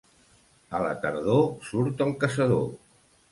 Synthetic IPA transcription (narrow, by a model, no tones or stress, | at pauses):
ələ̰t̪əɾðosuɾt̪əlˠkəsəðo̰